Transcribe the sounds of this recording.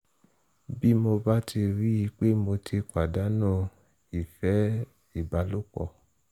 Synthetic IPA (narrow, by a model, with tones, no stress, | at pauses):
bi˦mo˧ba˦tʰi˧ɾi˦i˧k͡pe˦mo˧tʰi˧k͡pa˨da˨˦nũ˦˨ | i˨fɛ˨˦ | i˦˨ba˨˦lu˦kɔ̰˧˨